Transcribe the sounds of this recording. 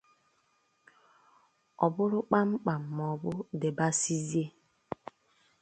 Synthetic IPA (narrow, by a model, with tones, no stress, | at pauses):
ɔ˨bʊ˦ɾʊ˦k͡pa˦ŋ͡m̩˦k͡pa˨m̩˨mɔ˨bʊ˦de˨ba˦si˦zi˦e˦